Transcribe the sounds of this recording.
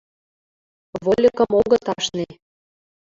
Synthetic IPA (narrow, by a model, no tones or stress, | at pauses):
βolʲəkə̆moɣɤ̆t̪ɑʃne